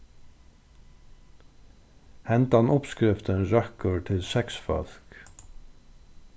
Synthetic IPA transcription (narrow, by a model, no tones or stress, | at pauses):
hɛnt̪ɑnʊpskɾɪft̪ənɹœkəɹt̪ʰɪlsɛksfœ̰lk